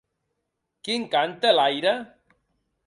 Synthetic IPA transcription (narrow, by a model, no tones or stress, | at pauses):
kiŋkant̪elajɾa